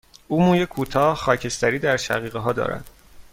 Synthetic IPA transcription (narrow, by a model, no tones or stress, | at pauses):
uːmuːjekʰuːt̪ʰɒːhxɒːcʰe̞st̪æɾiːd̪æɾʃæ̰ɣiːɣeɦɒːd̪ɒ̰ːɾæ̰d̪̥